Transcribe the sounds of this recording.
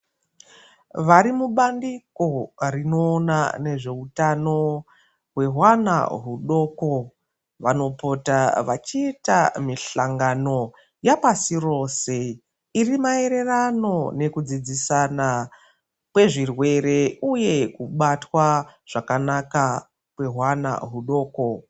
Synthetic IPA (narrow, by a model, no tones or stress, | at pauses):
ʋaɾimuɓandiko̞rino̞ːnane̞ʐe̞utano̞ | ɦwe̞ɦwana̰ɦuɗo̞ːko̞ | ʋano̞po̞taʋat͡ʃiːtamiɬaŋɡano̞ | japasiro̞ːse̞ | irimae̞ɾe̞rano̞ne̞kud͡zid͡zisana | kwe̞ʐirwe̞ɾe̞uje̞kuɓatwaʐ̥akanaka | kwe̞ɦwana̰ɦuɗo̞ːko̞